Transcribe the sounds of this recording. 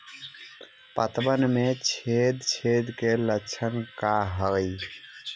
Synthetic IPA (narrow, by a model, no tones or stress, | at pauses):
pət̪bənmet͡ʃʰed̪t͡ʃʰed̪kelət͡ʃʰənkaɦəəj